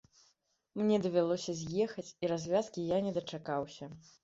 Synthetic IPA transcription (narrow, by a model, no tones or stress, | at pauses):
mnʲɛd̪ɐvʲalˠɔsʲɐzʲjɛxɐt͡sʲiɾazʲvʲaskʲijanʲɛd̪ɐt͡ʂakawsʲɐ